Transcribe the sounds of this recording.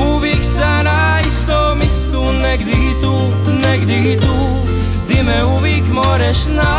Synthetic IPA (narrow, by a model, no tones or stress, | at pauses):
uviksana | ist̪ɔ | mɪst̪unɛɡd̪ihit̪u | nɛɡd̪iit̪u | d̪ɪmɛuvikmɔɾɛʃna